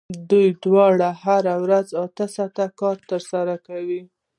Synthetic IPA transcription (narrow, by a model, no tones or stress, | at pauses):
d̪ujɖ̪wɑɽaɦaɾawɾazɑt̪əsat̪akɑɾt̪əɾsaɾakawi